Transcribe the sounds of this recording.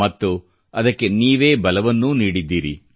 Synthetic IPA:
ɐt̪ːu | ɐd̪ɐkːe̞niːʋe̞ːbɐlɐʋɐnːuniːɽid̪ːiːɾḭ

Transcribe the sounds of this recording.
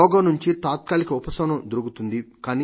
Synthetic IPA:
ɔːɡɐnuɲt͡ʃit̪aːt̪̚kaːlikɐupɐsɐnɐmd̪oɾuɡut̪und̪ikaːni

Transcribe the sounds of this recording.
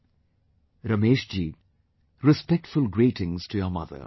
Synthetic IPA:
ɾəmeːʃd͡ʒiː | ɾɪspɛk̚ʈfʊlˠɡɾiːtɪ̃ŋz̥tʰɨjəmʌ̰ðə̰

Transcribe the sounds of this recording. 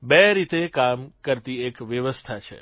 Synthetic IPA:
beɾit̪ekamkəɾt̪iekʋjəʋəst̪ʰat͡ʃʰḛ

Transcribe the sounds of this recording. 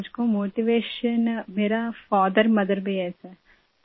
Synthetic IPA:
d͡ʒkomoːʈiʋeːʃənmeːɾafaːd̪əɾmɐd̪əɾbʱiɛːsɛː

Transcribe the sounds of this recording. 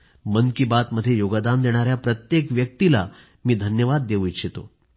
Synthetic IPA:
mənkibat̪məd̪ʱjejoɡd̪and̪eɽ̃aɾjapɾət̪jekʋjək̚t̪ila̰ | miːd̪ʱənjəʋad̪ːeʋujɕʰet̪o̰

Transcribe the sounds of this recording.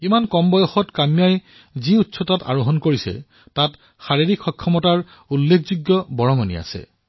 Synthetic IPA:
imankɔmbɔjɔxɔtkamijaj | ziutsɔtata̰ɹoɦɔnkoɹisɛ̰ | tat | xaɹiɹikxɔkʰːɔmɔtaɹ | ulːekʰzuɡjɔbɔɹɔŋɔnḭa̰sɛ̰

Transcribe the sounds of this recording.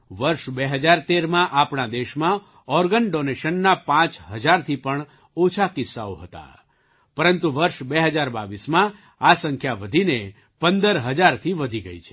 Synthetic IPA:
ʋəɾʃbeɦəd͡ʒaɾt̪eɾmãʔapɳad̪eʃmã | ɔɾɡənɖoneʃənːapãt͡ʃɦəd͡ʒaɾt̪ʰipəɳ | ot͡ʃʰakɪsːa̰o̰ɦət̪a̰ | pəɾənt̪uʋəɾʃbeɦəd͡ʒaɾba̰ʋismã | asəŋkʰjaʋəd̪ʱine | pənd̪əɾɦəd͡ʒaɾt̪ʰiʋəd̪ʱiɡə̰it͡ʃʰe̥

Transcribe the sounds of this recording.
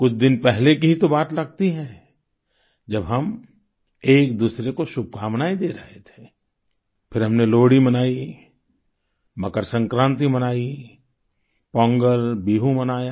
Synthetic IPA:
kʊt͡ʃʰd̪ɪnpɛɦlekiɦit̪obaːt̪lɐɡt̪iɦɛ̃ː | d͡ʒɐbɦɐm | eːkd̪uːsɾekoʃʊb̚kʰaːmnaːed̪eːɾɐɦet̪ʰe̥ː | pʰɪɾɦɐmneloːɽimɐnaːi | mɐkəɾsɐ̃ŋkɾãːnt̪imɐnaːi | pɔ̃ːŋɡəlbiːɦũmɐnaːjaː

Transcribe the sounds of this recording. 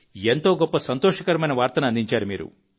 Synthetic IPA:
ent̪o̞ːɡɔpːɐsɐnt̪oːʂɐkɐɾɐmɐjnɐʋaːɾt̪ɐnuɐnd̪iɲt͡ʃaːɾumḭːɾṵ

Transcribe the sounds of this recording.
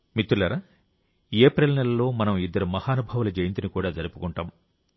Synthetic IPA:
mit̪ːulɐɾaː | eːpɾelnɛlɐlo̞ːmɐnɐmid̪ːɐɾumɐhaːnubʱɐʋɐlɐd͡ʒɐjint̪inikuːɽaːd͡ʒɐɾupukuɳʈaːm

